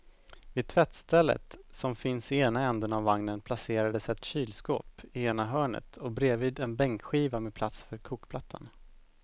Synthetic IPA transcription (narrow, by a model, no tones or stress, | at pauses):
vɪt̪ʰvɛt̪st̪ʰɛlːə̰t̪sɔmfɪnsɪeːnaɛnd̪ənavːaŋnənpʰlaseːɾad̪əsɛt̪ɕyːlsko̰ːpɪeːnaɦœːɳə̰t̪ʰɔbɾeːviːd̪ɛnbɛŋkɧiːvameːpʰlat̪sfœɾkʰuːkpʰlat̪ʰːa̰n